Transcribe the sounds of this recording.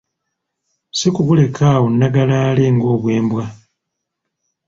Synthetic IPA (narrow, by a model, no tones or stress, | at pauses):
sikuβule̞kʰaːwonːaɡalaːle̞ŋɡo̞ːβwe̞ːmbwa